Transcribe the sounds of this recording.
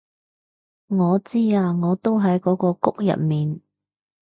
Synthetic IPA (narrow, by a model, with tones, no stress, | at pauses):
ŋɔː˨˧t͡siː˥aː˧ŋɔː˨˧t̪o˥wɦɐ˨˥jkɔː˨˥kɔː˧kʊ˥k̚jɐ̰˨t̚miː˨n